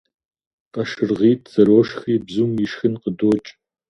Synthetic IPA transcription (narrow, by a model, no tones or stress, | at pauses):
qɐʃɨrʁiːtʰz̥ɐɾoːʃxiːbzumjɪʃxɨnqədoːt͡ʃʼ